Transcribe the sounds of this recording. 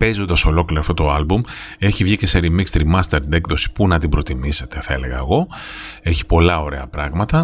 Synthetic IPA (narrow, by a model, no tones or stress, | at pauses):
pe̞zo̞nd̪ɐso̞lo̞kliɾoːft̪ot̪o̞ɐlbum | e̞çivʝice̞seɾimikst̪ɾimɐst̪eɾt̪inekðo̞si̥punɐt̪ibɾo̞t̪imise̞t̪e̞θɐele̞ɣɐeɣo̞e̞çi̥po̞lɐo̞ɾe̞ɐpɾɐɣmɐt̪ɐ